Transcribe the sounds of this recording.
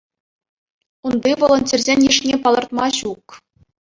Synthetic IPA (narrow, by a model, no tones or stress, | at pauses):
unbʲiʋŏlˠɤ̆nt͡ɕʲĕrʲzʲenʲjiʂnʲepɑlˠɤ̆rt̪mɑɕuk